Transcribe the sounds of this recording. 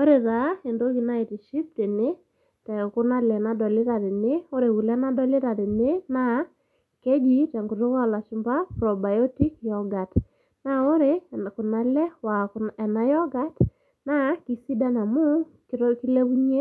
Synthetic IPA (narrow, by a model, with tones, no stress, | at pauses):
o˦ɾe˨ða˨˦e˨ndo˦ki˨na˦ɪ˨ti˨ʃi˦p̚te˨ne˦ | tɛ˨kʊ˦na˦lɛ˨na˦dɔ˨lɪ˦ɾa˨ɾɪ˨ne˦o˦ɾe˨ku˨lɛ˦na˦dɔ˦lɪ˦ɾa˨ɾɪ˨ne˦na˦ | ke˦d͡ʒi˦tɛ˨ŋɡu˨to˦ka˦˨la˨ʃi˨˦mba˦pɾɔ˨ba˨jɔ˦ti˦kjɔ˨ɡa˨t | na˦o˦ɾe˦kʊ˨na˦lɛ˦wa˨kɛ˨na˦jɔ˦ɡa˦t | na˦ki˨si˦da˦na˨mʊ˦ | kɾki˦le˦bu˦ɲe˦